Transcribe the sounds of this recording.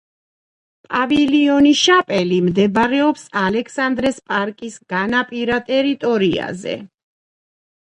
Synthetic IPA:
pʼaviliɔniʃapʼɛlimd̪ɛbɾɛɔpsalɛkʰsand̪ɾɛspʼaɾkʼisɡ̥anapʼiɾat̪ʼɛɾit̪ʼɔɾia̰zɛ̰

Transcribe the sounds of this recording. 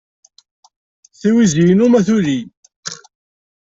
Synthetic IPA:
θiwizijnumæθuɾi

